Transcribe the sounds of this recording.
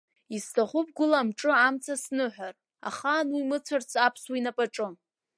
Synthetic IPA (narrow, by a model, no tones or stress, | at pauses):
istʰaχʷupʼɡʷʊlamʈ͡ʂʼɨamt͡sʰasnɨħʷᶣar | a̰χanwimɨt͡sʷʰart͡sʰapʰswinapʼaʈ͡ʂʼɨ